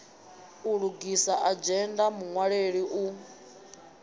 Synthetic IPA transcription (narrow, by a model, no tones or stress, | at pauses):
uɺuɡisaʔad͡ʒɛndamuŋwaɺeɺiʔu